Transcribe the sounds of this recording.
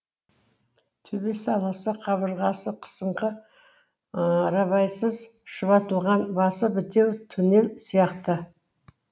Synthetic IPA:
t̪ʰɵbesɑlˠɑsəqʰɑβəɾʁɑsəqʰə̥səɴqə | ɾɑβɑjsəzʃəβɑt̪əlˠʁɑnbɑsəbɪt̪e̞wt̪ʰɵne̞lsijɑqt̪ə

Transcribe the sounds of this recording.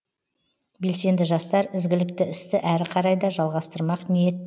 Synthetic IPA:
be̞lse̞nd̪ɪʒɑst̪ɑɾɪzɡʲɪlɪkt̪ɪɪst̪ɪʔæɾɪqʰɑɾɑjd̪ɑʒɑlˠʁɑst̪əɾmɑqnijet̪ː

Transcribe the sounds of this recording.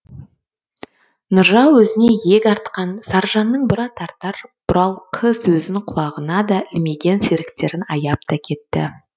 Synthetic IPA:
nʊɾʒɑwɵzɪne̞je̞kʲɑɾt̪qɑnsɑɾʒɑnːəɴbʊɾɑt̪ʰɑɾt̪ɑɾb̥ʊɾɑlˠqʰəswɵzɪŋqʰʊlˠɑʁənɑd̪ɑʔɪlme̞ɡʲe̞nseɾɪk̚t̪e̞ɾɪnɑjɑp̚t̪ɑkʲʰe̞t̪ːɪ̰

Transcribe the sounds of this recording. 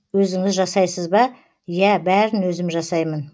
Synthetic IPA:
wɵzɪŋɪzʒɑsɑjsəzbɑ | jæbæɾɪnwɵzɪmʒɑsɑjmən

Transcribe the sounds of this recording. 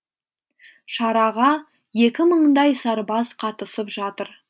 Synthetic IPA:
ʃɑɾɑʁɑ | je̞kʲɪməɴd̪ɑjsɑɾbɑzqʰɑt̪əsəpʒɑt̪əɾ

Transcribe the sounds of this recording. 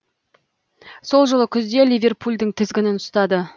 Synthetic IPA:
so̞lˠʒəlˠəkʲʰʏzd̪e̞lʲivʲe̞rpʰulʲd̪ɪŋt̪ʰɪzɡʲɪnɪnʊst̪ɑd̪ə

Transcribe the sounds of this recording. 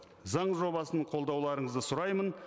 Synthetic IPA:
zɑɴʒo̞βɑsəɴqʰo̞lˠd̪ɑwlˠɑɾəɴəzd̪əsʊɾɑjmən

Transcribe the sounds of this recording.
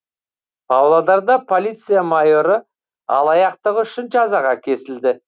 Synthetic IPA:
pʰɑwlˠɑd̪ɑɾd̪ɑpʰo̞lʲijt̪sɨjamajo̞ɾə | ɑ̰lˠɑjɑq̚t̪əʁʏʃɪnʒɑzɑʁɑkʲʰe̞sɪld̪ɪ

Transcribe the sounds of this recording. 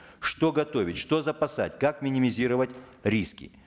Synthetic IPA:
ʂt̪oɡɐt̪o̞vʲɪtʲʂt̪o̞zɐpɐsa̰tʲkakmʲɪnʲɪmʲɪzʲiɾəvətʲɾʲiskʲɪ̰

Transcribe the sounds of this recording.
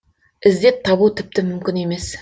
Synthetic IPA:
ɪzd̪e̞t̪t̪ʰːɑβut̪ʰɪp̚t̪ɪmʏmkʲɪne̞me̞s

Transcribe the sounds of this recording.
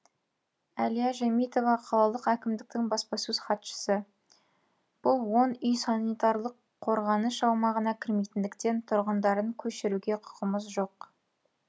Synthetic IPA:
ælijaʒæmijt̪o̞vɑqʰɑlˠɑlˠəqækʲɪmd̪ɪk̚t̪ɪŋbɑspɑsɵz̥χɑt̪ʃə̥sə | b̥ʊlˠwo̞nʏjsɑnijt̪ɑɾlˠəqʰːo̞ɾʁɑnəʃɑwmɑʁənɑkʲʰɪɾmejt̪ɪnd̪ɪkt̪e̞nt̪ʰʊɾʁənd̪ɑɾəŋkʲʰɵʃɪɾuɡʲe̞qʰʊ̥qəməzʒo̞q

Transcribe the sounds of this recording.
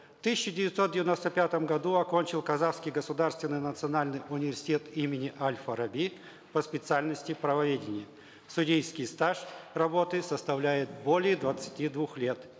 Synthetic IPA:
ft̪ɨsʲɪt͡ɕːɪdʲɪvʲɪt̪so̞t̪̚dʲɪvʲɪno̞st̪əpʲat̪əmɡɐd̪uɐkonʲt͡ɕɪlˠkɐzafskʲɪjɡəsʊd̪arst̪vʲɪnːɨjnət̪sɨɐnalʲnɨjʔʊnʲɪvʲɪrsʲɪ̥tʲe̞t̪imʲɪnʲɪʔalʲfəɾɐbʲi | pəspʲɪt̪sɨalʲnəsʲtʲɪpɾəvɐvʲedʲɪnʲɪjə | sʊdʲejskʲɪjst̪aʂrɐbo̞t̪ɨsəst̪ɐvlʲæjɪt̪̚bo̞lʲɪjəd̪vət̪sɨ̥tʲid̪vuxlʲe̞t̪

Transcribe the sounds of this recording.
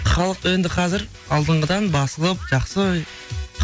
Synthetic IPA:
χɑlˠəqwend̪ɪqʰɑzɪɾ | ɑlˠd̪əɴʁəd̪ɑnbɑsəlˠəp̚ʒ̥ɑqsə

